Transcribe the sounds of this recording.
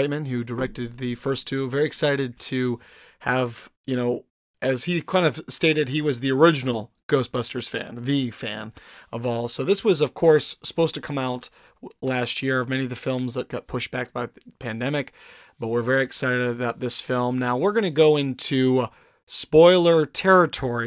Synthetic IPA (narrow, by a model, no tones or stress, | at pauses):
ɪt̚mɨ̃nhʉdə˞ɛk̚tɨd̪̚ðɨfɜ˞stʰʉvɛɹiɨksaɪɾɨd̚tʰɨ | ɨvjɨñoʊ | ʔɨz̥ikʰãɪ̃ndʌv̥steɪɾɨd̚iwʌzðiə˞ɪd͡ʒnl̩ˠ | ɡ̥oʊsb̥ʌstə˞z̥fæ̰̃nðɨfæ̃nʌvɔlˠsoʊðɪswʌzʌv̥kʰɔɹsə̥poʊz̥tʰɨkʰʌ̃maʊt | læst̚jɪɹʌvmɛ̃ñiʌvðɨfɪlˠmzðɨt̚ɡ̥ɑt̚pʰʊʃb̥æk̚b̥aɪðpʰæ̃ndɛmɨk | b̥ʌt̚wɪɹvɛɹiɨksaɪɾɨɾɨbaʊt̪̚ðɪsfɪlˠmnaʊwɪɹɡʌnɨɡoʊɪ̃ntʰʉ | spɔɪlˠə˞tʰɛɹɨtʰɔɹi